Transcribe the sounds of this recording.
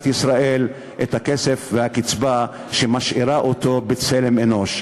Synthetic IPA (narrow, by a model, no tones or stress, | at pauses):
t̪isʁaʔe̞l | ʔet̪hakese̞fvehakit͡sba | ʃemaʃʔiʁaʔoto̞bet͡sele̞meno̞ʃ